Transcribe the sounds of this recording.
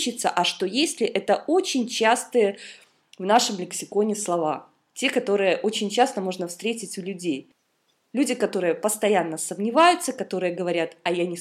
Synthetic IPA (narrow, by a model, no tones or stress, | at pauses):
t͡ɕɪt̪səʔɐʂt̪o̞jesʲlʲɪʔɛt̪əo̞t͡ɕɪnʲt͡ɕast̪ɨjə | vnaʂɨmlʲɪksʲɪko̞nʲɪslˠɐva | tʲe̞kɐt̪o̞ɾɨjəʔo̞t͡ɕɪnʲt͡ɕast̪əmo̞ʐnəfst̪ɾʲetʲɪtʲʊlʲʉdʲej | lʲʉdʲɪkɐt̪o̞ɾɨjəpəst̪ɐjanːəsəmnʲɪvajʊt̪səkɐt̪o̞ɾɨjəɡəvɐɾʲat̪ɐjanʲɪ